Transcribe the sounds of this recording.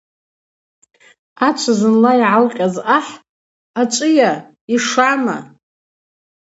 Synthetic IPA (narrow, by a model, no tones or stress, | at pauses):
at͡ʃʷʰazɨnlaiʕalqʲʼazaħ | at͡ʃʷʼɨja | iʂama̰